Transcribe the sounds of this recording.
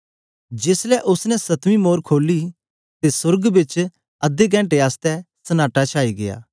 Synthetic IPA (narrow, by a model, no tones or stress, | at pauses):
d͡ʒɪslɛʔʊsnɛsɐt̪mimoːɾkʰoːli | t̪esʊɾɡbɪt͡ʃ | ɐd̪ek̬ɛ̃ːʈeaːst̪ɛsɐnaːʈat͡ʃʰaːiɡɪ̰ja̰ː